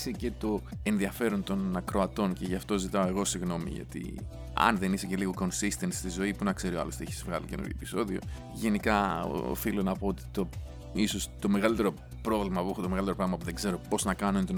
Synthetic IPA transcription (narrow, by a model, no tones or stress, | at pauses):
sece̞t̪o̞e̞nðiɐfe̞ɾo̞nt̪o̞nɐkɾo̞ɐt̪o̞nce̞ʝɐft̪o̞zit̪ɐo̞e̞ɣo̞siɣno̞mḭʝɐ̰t̪ḭ | ɐ̰nðe̞nise̞ce̞liɣo̞ko̞nsist̪e̞nst̪izo̞ipunɐkse̞ɾioɐ̰lost̪eçizvɣɐlḭcenṵɾo̰pi̥so̞ðio̰ | ʝe̞nikɐ̰filonɐpo̞ot̪i̥t̪o | iso̞st̪o̞me̞ɣɐlit̪e̞ɾo | pɾo̞vlimɐpuexut̪omeɣɐlit̪eopɾɐɣmɐp̬uðe̞ɡze̞ɾo̞po̞znɐkɐnunt̪on